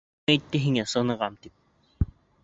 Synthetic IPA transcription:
ɛt̪ːɛɦiŋɛsɤnɤ̆ʁɑmt̪ip̚

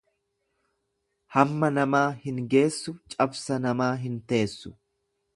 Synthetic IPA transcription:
hɐmːɐnɐmaːhɪŋɡe̞ːsːʊt͡ʃʼɐbsɐnɐmaːɦɪnt̪e̞ːsːʊ̥

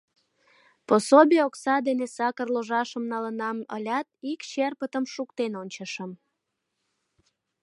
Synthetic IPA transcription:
posobʲeoksɑd̪enesɑkərloʒɑʃəmnɑlənɑmə̰lʲɑt̪̚ikt͡ɕerpət̪əmʃukt̪enonʲt͡ɕəʃəm

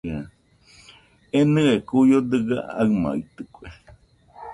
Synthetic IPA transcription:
a | enɨ̃ekujod̪ɨɡa̰aɨma̰it̪ɨkʷe

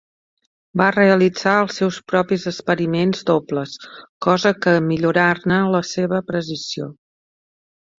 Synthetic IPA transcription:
bareəlid͡zaəlˠsːɛwspɾɔpizəspəɾimenzd̪opləskɔzəkəmiʎuɾarnələseβəpɾəzisio̰

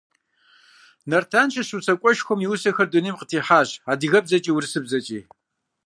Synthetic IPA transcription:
nɐrtʰaːnʃɐɕut͡sʰɐkʷʼɔʃxʷɔmjiwsɐxɐrdʊniːmqətʰiːħaːʑaːdɨɣɐb̚zɐt͡ʃʼiːwʊrɨsɨbzɐt͡ʃʼiː

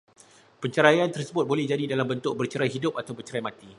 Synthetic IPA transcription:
pəɲt͡ʃəɾajant̪ərsəbʊt̪̚bolɛhd͡ʒadidalambənt̪ʊk̚bərt͡ʃəɾajɦidʊp̚at̪awbət͡ʃəɾajmãt̪i

